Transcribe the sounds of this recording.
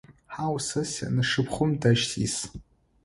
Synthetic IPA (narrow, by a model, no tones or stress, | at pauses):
ħawsɨsa̰nɨʂɨpʰχʷʊmdaʃtʰḭs